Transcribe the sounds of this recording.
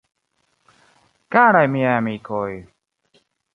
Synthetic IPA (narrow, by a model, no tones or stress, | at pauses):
kaːɾajmiaːmiːkʰoːj